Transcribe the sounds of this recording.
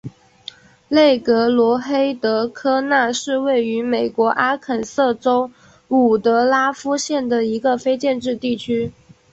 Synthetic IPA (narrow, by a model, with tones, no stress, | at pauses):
le˥˩ɪkɤ˧˥lwɔ˧˥xe˥ɪt̪ɤ˧˥kʰɤ˥na˥˧ʂɻ̩˥˧we˥˩ɪy˧˥me˨˩ɪkwɔ˧˥ʔa˥kʰə˨˩nsɤ˥˩ʈ͡ʂo˥ʊ | u˨˩t̪ɤ˧˥la˥fu˥ɕjɛ˥˩nd̪ə˩i˧˥ɡə˧fe˥ɪt͡ɕjɛ˥˧nʈ͡ʂɻ̩˥˧t̪i˥˩t͡ɕʰy˥